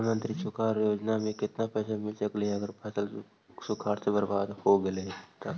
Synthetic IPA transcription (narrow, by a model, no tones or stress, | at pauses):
mə̃nt̪ɾisʊkʰaːɾjoːd͡ʒnamẽkɪt̪napɛːsamɪlsəkleɦɛɐɡəɾpʰɛːsəl | sʊkʰaːɾsebəɾbaːd̪hoɡɪleɦɛt̪a